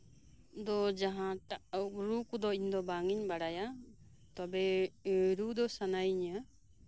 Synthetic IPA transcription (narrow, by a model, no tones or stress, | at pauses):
d̪ɔd͡ʒaɦãakɾukud̪ɔiɲd̪ɔbaŋiɲbaɽaja | t̪ɔbɛɾud̪ɔsanajiɲa